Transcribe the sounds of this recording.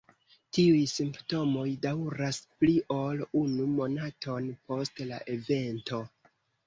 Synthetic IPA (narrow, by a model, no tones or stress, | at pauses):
tiujsimpto̞mo̞jdawɾaspliʔo̞lunumo̞natʰo̞npo̞stla̰ʔe̞ve̞nto̞